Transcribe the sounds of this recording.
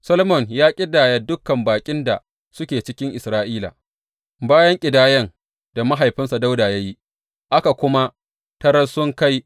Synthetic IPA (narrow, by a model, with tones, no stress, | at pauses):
sɐ˦lo˦mɔ˨njaː˦kʲʼɪ˦daː˨jɐ˨dʊ˦kːɐ˨mbaː˨kʲʼɪ˦nda̰˨ | sʊ˦kʲeː˨t͡ʃɪ˦kʲɪ˦ŋʔɪ˨sɾaː˦ʔiː˦la̰˨ | baː˦jɐ˦ŋkʲʼɪ˨daː˦jɐ˦ŋ | d̥a˨ma˦ɦa˨jɸɪ˦nsa˨da˦wdaː˨jaː˦ji˦ | ʔa˦ka˨kʷʊ˦ma˦ | tɐ˦ɾɐ˦sʊ˦ŋka˦j